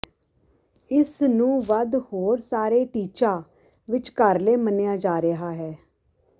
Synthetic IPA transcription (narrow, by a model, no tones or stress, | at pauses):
ɪsnũːʋəd̪hoːɾsaːɾeːʈiːt͡ʃaː | ʋɪt͡ʃkəɾleːmənejaːd͡ʒaːɾəɦaːɦɛː